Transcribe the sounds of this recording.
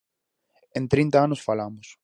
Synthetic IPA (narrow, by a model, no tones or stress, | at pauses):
ẽnt̪ɾint̪aanʊsfalamʊs